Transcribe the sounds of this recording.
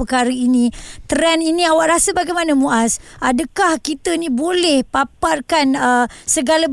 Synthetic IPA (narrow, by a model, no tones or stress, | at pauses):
əkaɾəinĩt̪əɾɛninĩawaʔɾasəbaɡajmanamũʔasʔadəkahkit̪əinĩbolɛhpaparkanəsəɡalab